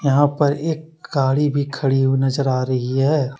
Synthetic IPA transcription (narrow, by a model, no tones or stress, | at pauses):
jɐɦãpɐɾeːk̚ɡaːɽibʱikʰɐɽiɦuinɐzəɾaːɾɐɦiɦɛː